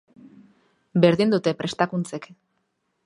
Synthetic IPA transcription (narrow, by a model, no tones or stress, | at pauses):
be̞ɾðind̪ut̪e̞pɾe̞st̪akunt͡se̞k